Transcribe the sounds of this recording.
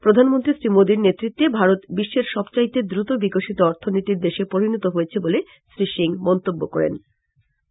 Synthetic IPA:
pɾod̪ʱanmont̪ɾisɾimod̪iɾnet̪ːɾit̪ːebʱaɾot̪biʃːeɾʃɔbt͡ɕait̪ed̪ɾut̪obikoʃit̪oɔɾt̪ʰonit̪iɾd̪eʃepoɾinot̪oɦojet͡ɕʰebole | sɾiʃiŋmɔnt̪obːokɔ̰ɾḛn

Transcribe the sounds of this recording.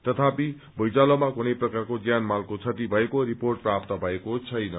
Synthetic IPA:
t̪ʌt̪ʰapi | bʱʌjt͡salʌmakunʌjprʌkarkod͡zjanmalkot͡sʰʌt̪ibʱʌekoɾiporʈ̚prap̚t̪ʌbʱʌekot͡sʰʌjnʌ

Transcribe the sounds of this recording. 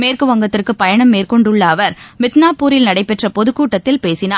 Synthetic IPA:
meːrkɯʋɐŋɡɐt̪ːɪrkɯpɐjɐɳɐmːeːrkɔɳɖɯɭːɐːʋɐɾmɪt̪naːpːuːɾɪlnɐɽɐɪpːɛʈrɐpɔðɯkːuːʈːɐt̪ːɪlpeːsɪnaː

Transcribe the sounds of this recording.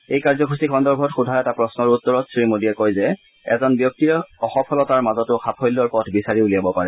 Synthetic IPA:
ejkaɹzɔkʰusikʰɔndɔɹbʱɔtxudʱajɛtapɹɔsnɔɹutːɔɹɔtsɹimodijɛkojzɛ | ɛzɔnbjɔk̚tiɹɔxɔpʰɔlɔtaɹmazɔtʊxʰapʰɔjlːɔɹpɔtʰbisaɹiulijabɔpaɹɛ

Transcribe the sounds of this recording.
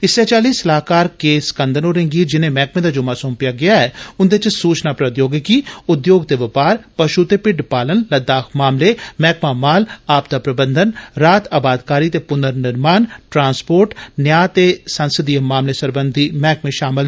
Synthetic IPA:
ɪsɛːt͡ʃaːliːsəlaːkaːɾkeːskənd̪ʱənoːɾẽŋɡiːd͡ʒɪnẽːmɛːkmẽːd̪aːd͡ʒʊmaːsõːmpɪjaːɡɪjaːɛːʊnd̪et͡ʃsuːt͡ʃnaːpɾət̪joːɡkiːʊd̪joːɡt̪eːʋɪpaːɾpəʃut̪eːpɪɖpaːlənləd̪aːkʰmaːmleːmɛːkmaːmaːlaːp̚t̪aːpɾəbə̃nd̪ənɾaːt̪əbaːd̪kaːɾiːt̪eːpʊnəɾnɪɾmaːnʈɾãːnspoːɾʈnjaːt̪eːsənsəd̪iəmaːmleːsəɾbənd̪ʱiːmɛːkmẽːʃaːmɪl

